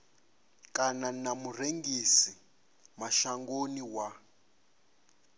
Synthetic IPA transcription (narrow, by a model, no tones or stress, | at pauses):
kʼananamureŋɡisi | maʃaŋɡoniwa